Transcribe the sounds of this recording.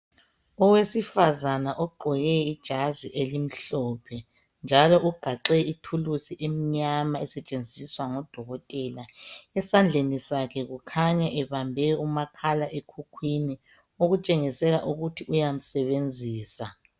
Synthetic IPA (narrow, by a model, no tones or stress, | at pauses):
ɔwesifazanaʔɔɡ͡ǃʱɔjɛid̥ʒ̥ʱaziʔelim̩ɬɔːpʰɛ | nd͡ʒʱalɔʔuɡ̥ʱaǃɛitʰulusiʔem̩ɲamaɛsɛt͡ʃʼend͡zʱiswaŋɔd̥ʱɔɣɔtʼɛlaɛsand͡ɮʱenisakʰɛɣukʰaɲaʔɛβambʱɛumakʰalaʔekʰukʰwini | oɣut͡ʃʼeŋisɛlaʔuɣutʰiʔujam̩sɛβend͡zʱiːsa